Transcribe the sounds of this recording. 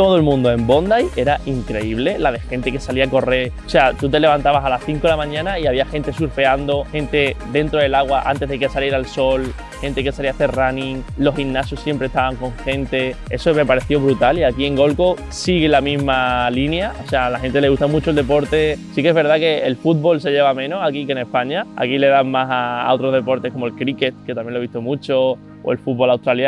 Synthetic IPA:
t̪o̞ðolmũnd̪oe̞mbo̞nd̪aje̞ɾaʔiŋkɾe̞iβle̞laðexe̞nt̪e̞ke̞saliako̞re̞ɾoseat̪ut̪e̞le̞βant̪aβasalasθiŋkolamãɲãnaiaβiaxe̞nt̪e̞suɾfe̞and̪o̞xẽ̞nt̪e̞d̪e̞nt̪ɾoe̞laɣwaʔa̰nt̪e̞ɦðe̞kesaliɾalso̞l | xe̞nt̪ekesaliaθe̞ranĩŋlo̞sinnːasjosːje̞mpɾest̪aβaŋko̞ŋxe̞nt̪e̞e̞some̞paɾe̞θjo̞βɾut̪aliakie̞ŋɡo̞lko | siɣ̞elamĩzmalinjaosealaxe̞nt̪e̞le̞ɣuht̪amut͡ʃold̪e̞po̞ɾt̪e̞sikeezβe̞ɾðake̞ːlfut̪̚βo̞lse̞ʎe̞βamẽ̞nosakike̞ne̞hpaɲaa̰kile̞ðaŋmasa̰o̞t̪ɾo̞ɦð̞e̞po̞ɾt̪eko̞moelkɾike̞t̪̚ke̞t̪amje̞nloβiht̪omũt͡ʃo̞ | oe̞lfut̪̚βo̞lawt̪ɾalja

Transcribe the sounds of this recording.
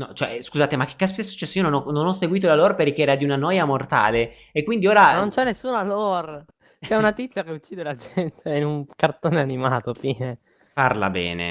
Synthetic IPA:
nɔt͡ʃoɛ̰skuzaːt̪emak̟ːe̥kːaspt̪esu̥t͡ʃːɛsːojiononɔnonɔsːeɡwiːt̪̬olalorperk̟ːeɛːɾad̪iunanɔːjamort̪a̰ːle | ekːwind̪ioːɾanont͡ʃɛnːesːuːnalor | t͡ʃɛunat̪it̪sːjakeut͡ʃːiːd̪elad͡ʒɛnt̪ʰeinuŋkart̪oːneanimaːt̪ofiːne | parla̰bɛ̰ːnḛ

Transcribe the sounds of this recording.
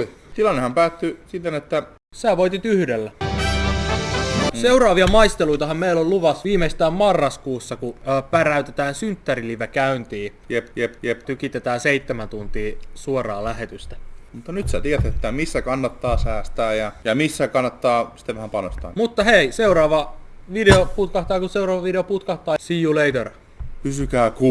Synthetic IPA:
oi | t̪ilɑnːehɑmpæːt̪ːysit̪ːenet̪ːæ | sæːʋoit̪it̪yhdelːæ | seurɑːʋiɑmɑist̪eluit̪ɑhɑmmeilolluʋɑsʋiːmest̪æːmmɑrːɑskuːsːɑkuːpæræyt̪et̪æːnsynt̪ːæriliʋekæynt̪iːjepepjept̪ykit̪et̪æːnseit̪ːemænt̪unt̪iːsuorɑːlæhet̪yst̪æmut̪ːɑnyt̪sæt̪iæt̪et̪ːæmisːækɑnːɑt̪ːɑːsæːst̪æːjɑjɑmisːækɑnːɑt̪ːɑːsi̥t̪ːeʋæhæmpɑnost̪ɑ̰ːmut̪ːɑheiseuɾɑːʋɑʋideoput̪kɑht̪ɑːjkuseurɑːʋɑʋideoput̪kɑht̪ɑːsijuleit̪er | kysykæːku

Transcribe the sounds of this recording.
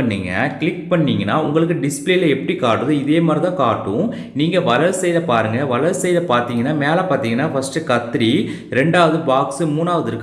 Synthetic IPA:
ɐnːiːŋɡɐ̰kɭɪk̚pɐɳːiːŋɡɐnːaːʊŋɡɐɭɯk̬ːɯɖɪspleːlɐɛpːɐɽikaːʈːɯðɯɪðeːmaːd̪ɾɪt̪ãːkaːʈːʊ̃ | niːŋɡɐʋɐlɐlsɛjðɐpaːɾɯŋɡɐʋɐlɐlsɛjðɐpaːɾt̪iːŋɡɐnːaːmeːlapaːɾt̪iːŋɡɐnːaːfɐsʈɯkɐt̪ːɾi | ɾɛɳɖaːʋɐðɯbaːksɯmuːnaːʋɐðɯɾɯkː

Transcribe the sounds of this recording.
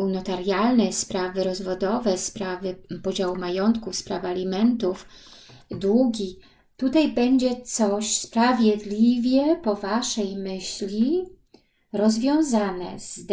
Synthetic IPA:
unɔt̪aɾjalnɛspɾavɘɾɔzvɔd̪ɔvɛspɾavɘpɔd͡ʑawumajɔnt̪kufspɾavɘalʲimɛnt̪uf | d̪wuɡʲi | t̪ut̪ajbɛɲd͡ʑɛt̪sɔɕspɾavʲjɛd̪lʲivʲjɛpɔvaʂɛjmɘɕlʲi | ɾɔzvʲjɔ̃w̃zanɛ̰zd̪

